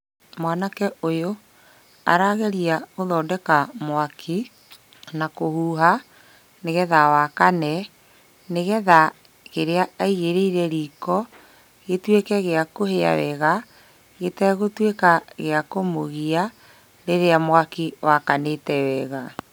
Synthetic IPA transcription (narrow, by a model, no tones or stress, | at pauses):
mwanakɛojo | a̰ɾaɣɛɾiaɣoðɔːdɛkamwakʰi | nakohuːɦa | neɣɛðawakanɛ | neɣɛða | ɣeɾeaaiɣeɾeiɾɛɾiːkɔ | ɣetwekɛɣeakohea̰wɛɣa | ɣetɛɣotwekaɣeakomoɣia | ɾeɾeamwakiwakanetɛwɛɣa